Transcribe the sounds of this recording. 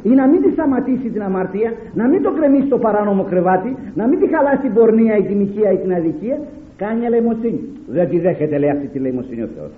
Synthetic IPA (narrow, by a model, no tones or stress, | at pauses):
inɐmind̪ist̪ɐmɐt̪isit̪inɐmɐɾt̪iɐ | nɐmind̪o̞kɾe̞misit̪o̞pɐɾɐno̞mo̞kɾevɐt̪inɐmind̪ixɐlɐsit̪ibo̞ɾniɐit̪imiciɐit̪inɐðiciɐ | kɐɲelejmot͡sːiɲi | ðent̪iðeçet̪eleɐft̪it̪ilejmo̞siɲḭo̰θeo̰s